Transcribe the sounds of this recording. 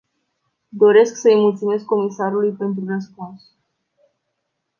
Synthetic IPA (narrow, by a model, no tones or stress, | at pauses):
d̪o̞ɾe̞sksəɨjmult̪sime̞skːo̞misaɾulujpe̞nt̪ɾurəspuns